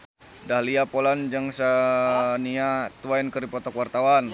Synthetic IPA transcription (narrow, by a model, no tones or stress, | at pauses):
dahliapoland͡ʒaŋsaniat̪uajnkəɾipɔt̪ɔkwart̪awan